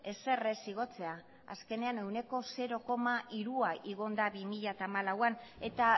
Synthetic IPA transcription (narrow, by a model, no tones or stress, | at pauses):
e̞se̞re̞siɣ̞o̞t͡se̞a | a̰ske̞ne̞ane̞wne̞ko̞se̞ɾo̞ko̞maʔiɾuaʔiɣ̞o̞nd̪aβimiʎat̪aːmalawane̞t̪a